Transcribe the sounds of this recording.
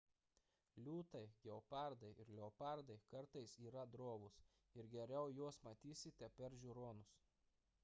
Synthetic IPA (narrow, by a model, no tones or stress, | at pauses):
lʲuːt̪ɐɪɡʲɛɔpɑˑɾd̪ɐɪʔɪɾlʲɛɔpɑˑɾd̪ɐɪkɐɾt̪ɐɪsiːɾɐd̪ɾoːʋʊs | ɪɾɡʲɛɾʲɛʊjuɔsmɐt̪ʲiːsʲɪt̪ʲɛpʲɛɾʒʲʊɾoːnʊs